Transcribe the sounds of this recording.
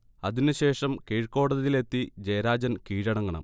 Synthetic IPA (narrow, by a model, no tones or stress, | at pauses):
ɐðinɨɕe̞ːʂɐmkeɻko̞ːɽɐðɐðile̞t̪ːid͡ʑɐjɐɾaːd͡ʑɐnkiːɻɐɳɐŋːɐɳɐ̰m